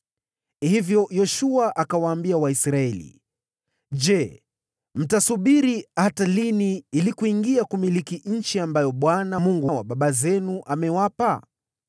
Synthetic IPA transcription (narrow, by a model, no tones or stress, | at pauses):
hivjɔjɔʃuaʔakawaːmbiawaisɾaɛlḭ | d͡ʒɛ | m̩tasuɓiɾihataliniilikuiŋɡiakumilikiɲ̩t͡ʃiambajɔɓwanamuŋɡuwaɓaɓazɛnuʔamɛwapa